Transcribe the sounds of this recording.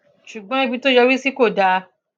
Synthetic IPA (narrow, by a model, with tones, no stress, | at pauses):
ʃu˨ɡ͡bɔ̃˨˦i˦bi˧to˦jɛ˧wi˦si˦ko˦˨da˧